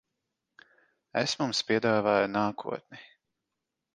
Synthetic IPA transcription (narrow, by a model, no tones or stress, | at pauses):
ɛsmumspʲiɛd̪aːvaːjunaːkʰṵɔt̪̚ni